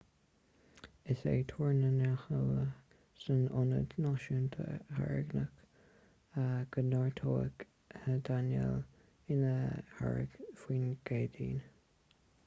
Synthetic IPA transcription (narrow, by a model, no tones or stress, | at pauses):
ɪsḛːt̪ʰoːɹnənaxələ | sənʊnə̰d̪nɑʃənt̪ʰə̰ha̰ɹɪ̰ɡnək | əɡ̥ənɑɹt̪ʰoːə̰ɡ | həd̪anjɛ̰l | ɪnəha̰ɹə̰ɡfwiːnɡ̥eːd̪iːn